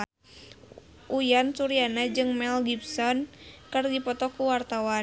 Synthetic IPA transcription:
ʔujansuɾianad͡ʒɨŋmɛlɡipsɔnkərdipɔt̪ɔkuwart̪awa

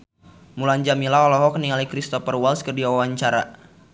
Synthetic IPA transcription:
muland͡ʒamilaɔlɔɦɔk̚niŋalikɾist̪ɔfərwalskɨrdiawaɲt͡ʃaɾa̰

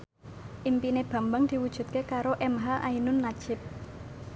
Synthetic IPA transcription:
ʔimpineb̥a̤mbaŋd̪̥i̤wud̥ʒ̥ṳt̪̚kekaɾoʔɛmɦaʔainʊnːad̥ʒ̥ɪp̚

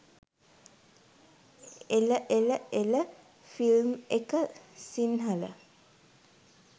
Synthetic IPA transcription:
eləʔeləelə | filmekəsinɦalə

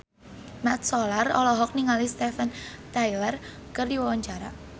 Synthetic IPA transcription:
mɛt̪̚sɔlarɔlɔɦɔk̚niŋalist̪ɛfant̪ajlər | kərdiwɔwaɲt͡ʃaɾa̰

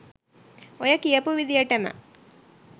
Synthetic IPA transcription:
ɔjɐkːijɐpuʋid̪ijɐʈːɐmɐ̰

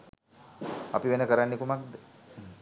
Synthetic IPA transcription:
apiʋenəkəɾanːekumak̚d̪

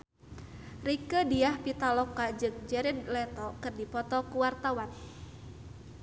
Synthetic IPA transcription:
rikədiahpit̪alɔkad͡ʒɨŋd͡ʒɛɾɪdlɛt̪ɔkɨrdipɔt̪ɔkuwart̪awan

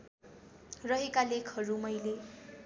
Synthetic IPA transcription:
rʌɦekalekʰhʌɾumʌjle

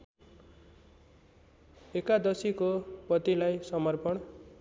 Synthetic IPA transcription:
ekad̪ʌsikopʌt̪ilajsʌmʌrpʌɳ

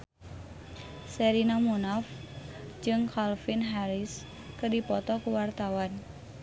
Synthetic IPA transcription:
sɛɾinamunaf | d͡ʒɨŋkalfinɦaɾɪs | kədipɔt̪ɔkuwart̪awan

